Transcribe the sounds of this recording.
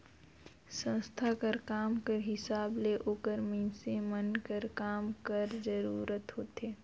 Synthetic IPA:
sə̃st̪ʰakəɾkaːmkəɾɦɪsaːbleʔoːkəɾmisemənkəɾkaːmkəɾd͡ʒəɾuːɾət̪ɦoːt̪eː

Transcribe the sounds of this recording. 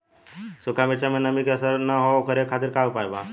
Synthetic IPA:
sʊkʰamet͡ʃamẽnəmikəsəɾnəɦookʰəɾekʰat̪ɪɾkaupaːjba

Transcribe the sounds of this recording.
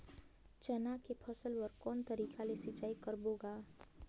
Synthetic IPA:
t͡ʃɛnakepʰəsəlwəɾkɔːnt̪əɾiːkalesɪt͡ʃaːikəɾboɡa

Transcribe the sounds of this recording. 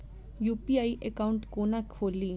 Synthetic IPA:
jupiaiʔekauɳʈkonakʰːoli

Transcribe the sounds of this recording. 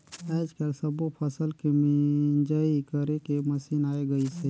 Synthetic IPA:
ɛːd͡ʒkeɾsəbopʰəsəlkemnd͡ʒəikəɾekeməsinaːeɡəise

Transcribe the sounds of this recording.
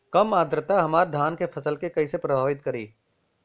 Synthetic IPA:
kɐmaːd̪ɾət̪aɦɐmaːɾd̪ʱaːnkefʰɐsəlkekɐisepɾɐbʱaːʋɪt̪kɐɾḭː

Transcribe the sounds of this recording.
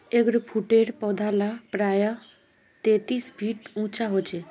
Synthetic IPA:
eɡɾpʰuʈeːɾpɔd̪ʱalapɾaːja | t̪eːt̪iːsbʱiːʈũːt͡ʃaɦoːt͡ʃe

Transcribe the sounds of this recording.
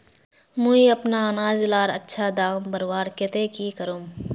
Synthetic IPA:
mũːiɐpnaɐnaːd͡ʒlaːɾɐtːʃʰad̪aːmbəɾwaːɾket̪ekikəɾuːm

